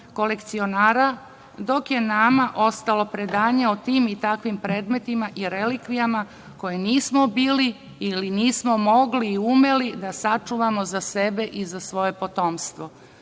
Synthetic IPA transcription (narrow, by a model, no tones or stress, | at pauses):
ko̞le̞kt̪sio̞naːɾa | d̪o̞kje̞namaʔo̞st̪alo̞pɾe̞d̪aːɲe̞ot̪iːmit̪akʋimpɾe̞ːd̪me̞t̪imaʔiɾe̞likʋijama | ko̞jeniːsmo̞biːli | iliniːsmo̞mo̞ɡliːume̞lid̪asat͡ʂuʋamo̞zase̞be̞ʔizasʋo̞je̞po̞t̪o̞ːmst̪ʋo̞